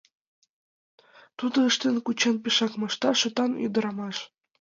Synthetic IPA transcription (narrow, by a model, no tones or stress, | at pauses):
t̪ud̪ɤ̆əʃt̪ə̆nkut͡ɕenpiʃɑkmɑʃt̪ɑʃɤ̆t̪ɑny̰d̪ɤ̆ɾɑmɑʃ